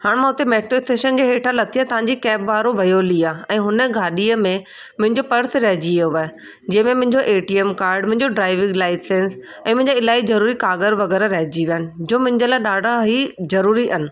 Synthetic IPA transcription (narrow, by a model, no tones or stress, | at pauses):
haːɽ̃mãʊt̪emeːʈɾoɪsʈeːʃənd͡ʑeːɦeːʈʰalɐt̪ʰiat̪ɐʋ̤ãɲd͡ʑikɛːbʋaːɾoʋɐjoːliaɛ̃ːɦʊnəɡʱaːɗiəmẽ | mʊ̃ɦɪ̃ɲd͡ʑopɐɾsɾɐɦd͡ʑioʋaːɦ | d͡ʑɐ̃ːɪ̃mẽmʊ̃ɦɪ̃ɲd͡ʑoʔeːʈiemkaːɾɖmʊ̃ɦɪ̃ɲd͡ʑoɖɾaːɪʋɪ̃ŋɡlaːɪsẽns | ɛ̃ːmʊ̃ɦɪ̃ɲd͡ʑaɪlaːizɐɾuːɾikaːɡəɾʋɐɣɛːɾaɾɐɦɪd͡ʑiʋijaːnɪ̆d͡ʑoːmʊ̃ɦɪ̃ɲd͡ʑəlaːɗaːɖʱãɦizɐɾuːɾiʔɐnɪ̆